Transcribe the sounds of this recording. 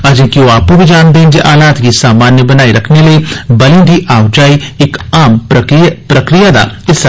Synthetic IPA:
ɐd͡ʒẽːkioaːpkõbʱid͡ʒaːnd̪eɦɛ̃d͡ʒiʔaːlaːt̪kisaːmaːnjəbɐnaːiɾɐkʰneləebɐlĩd̪ʱiʔaːwd͡ʒaːiɪkaːmpɾɐkapɾɐkɾijad̪a̰ | ɪs

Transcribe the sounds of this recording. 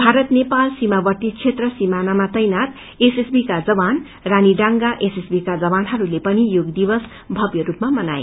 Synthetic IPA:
bʱaɾʌt̪nepalsimabʌrt̪it͡sʰet̪rʌsimanamat̪ʌjnat̪ | esesbikad͡zʌban | raniɖaŋɡaʔesesbikad͡zʌbanɦʌɾulepʌnijoɡd̪ibʌs | bʱʌbjʌɾupmamʌnaj

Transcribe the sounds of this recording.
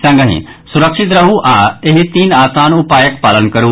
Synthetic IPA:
sə̃ŋɡəɦḭ̃ | sʊɾəkʃɪt̪ɾɐɦũʔaːeɦit̪iːnaːt̪ãːnũːpaːjəkpaːlənkɐɾuː

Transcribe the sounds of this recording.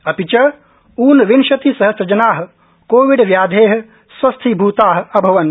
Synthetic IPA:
ɐpit͡ʃɐ | uːnʋinʃɐt̪isɐɦɐsɾɐd͡ʒɐnaːɦɐ̆ | koːʋiɖʋjaːd̪ʱeːɦɐ̆ | swɐst̪ʰibʱuːt̪aːɦɐ̆ɐbʱɐʋɐn

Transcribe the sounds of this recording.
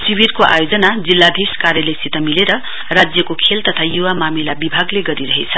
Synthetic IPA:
sibirkoʔa̰jod͡zʌnad͡zilːad̪ʱiskaɾjʌlesit̪ʌmileɾʌ | rad͡zjʌkokʰelt̪ʌt̪ʰajuwamamilabibʱaɡleɡʌɾiɾʌɦet͡sʰʌ

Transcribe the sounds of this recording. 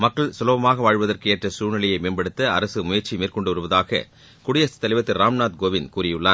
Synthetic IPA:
mɐkːɐɭsʊlɐːʋɐmaːɣɐʋaːɻʋɐðɐrkɯeːʈrɐsuːnɪlɐjɐɪmeːnbɐɽɯt̪ːɐɐɾɐsɯmʊjɐɾt͡ʃimeːrkɔɳɖɯɔɾɯʋɐðaːɣɐ̰ | kʊɽɪjɐst̪ːɐlɐɪʋɐt̪ːɪɾaːmnaːt̪̚ɡoːʋɪnkuːɾɪjɯɭːaː

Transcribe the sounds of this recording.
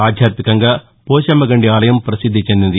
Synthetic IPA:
aːd̪ʱjaːɾt̪ikɐŋɡɐ | poːʃɐmɐɡɐɳɖiaːlɐjɐmpɾɐsɪd̪ʱːɐt͡ʃːɛnd̪inɐði

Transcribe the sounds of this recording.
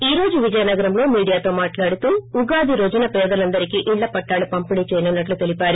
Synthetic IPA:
iːɾo̞ːd͡ʒuʋid͡ʒɐjɐnɐɡɐɾɐmlo̞ːmiːɽijaːt̪o̞ːmaːʈlaːɽut̪uːuɡaːd̪iɾod͡ʒɐnɐpɛːd̪ɐlɐnd̪ɐɾikiʔiɭːɐpɐʈːaːlupɐmpinit͡ʃɛːjɐnunːɐʈ̬lut̪e̞lipaːɾu

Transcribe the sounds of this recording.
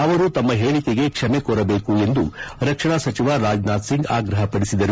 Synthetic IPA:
ɐʋɐɾut̪ɐmːɐɦeːɭikeɡe̞kʂɐmekoːɾɐbe̞ːkue̞nd̪uɾɐkʂɐɳasɐt͡ʃiʋaɾaːd͡ʒnaːd̪siŋɡaːɡɾɐɦɐpɐɽisid̪ɐɾu

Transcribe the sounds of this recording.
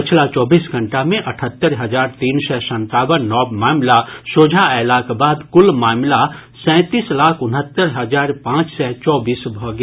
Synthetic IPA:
pɪt͡ʃʰlat͡ʃɔːbiːsɡʱɐ̃ɳʈamẽʔɐʈʰət̪ːəɾɦɐzaːɾt̪iːnsɛsɐ̃nt̪aːwənːɔːbmaːmlasoːd͡ʒʱaɛːlaːkbaːd̪kʊlmaːmla | sɛ̃ːt̪iːslaːkʰʊnɦət̪ːəɾɦɐzaːɾpãːt͡ʃsɛt͡ʃɔːbiːsbʱɔɡ

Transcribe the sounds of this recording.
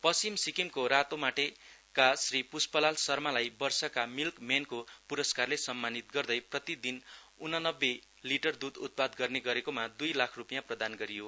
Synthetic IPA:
pʌst͡ʃimsikimkoɾat̪omaʈekasripuspʌlalsʌrmalajbʌrsʌkamilkmenkopuɾʌskarlesʌmːanit̪ɡʌrd̪ʌjprʌt̪id̪in | unʌnʌbːe | liʈʌrd̪ud̪ṵt̪̚pad̪ɡʌrneɡʌɾekomad̪ujlakʰrupijãprʌd̪anɡʌɾijo

